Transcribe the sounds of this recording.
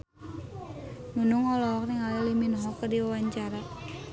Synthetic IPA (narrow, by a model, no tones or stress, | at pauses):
munʊŋɔlɔɦɔk̚niŋaliliminɦɔkərdiwawaɲt͡ʃaɾa